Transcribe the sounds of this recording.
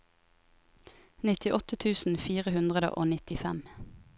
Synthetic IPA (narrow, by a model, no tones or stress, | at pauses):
nɪt̪ɪʔɔt̪ət̪ʰʉːsn̩fiːʁəhʉnd̪ʁəd̪ə̰ʔoːnɪt̪ɪfɛm